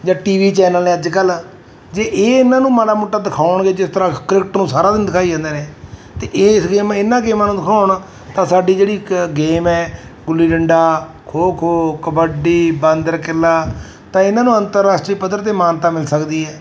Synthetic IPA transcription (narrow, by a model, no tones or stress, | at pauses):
d͡ʒãːʈiːʋiːt͡ʃɛːnəlneːəd͡ʒkəl | d͡ʒeːʔeːɪnːãːnũːmaːɽaːmʊːʈːaːd̪ɪkʰaːʊɳɡeːd͡ʒɪst̪əɾãːkɾɪkʈnũːsaːɾaːd̪ɪnd̪ɪkʰaːid͡ʒə̃ːnd̪eːnẽːt̪eːʔeɪsɡeːmɛɪnːãːɡeːmãːnũːd̪ɪkʰaːʊɳ | t̪ãːsaːɖiːd͡ʒeːɽiːɡeːmɛːɡʊlːiːɖəɳɖaː | kʰoːkʰoːkəbəɖiːbə̃nd̪əɾkɪlaː | t̪ãːɪnãːnũːənt̪əɾːaːsʈɾiːpəd̪əɾt̪̬eːmaːnt̪aːmɪlsəkd̪iːɦɛː